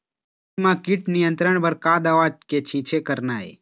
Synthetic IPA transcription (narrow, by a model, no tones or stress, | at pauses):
mãkiʈnijə̃nt̪ɾəɳ̃bəɾkaːd̪aʋaːd͡ʒket͡ʃʰĩt͡ʃʰekəɾnaːḛ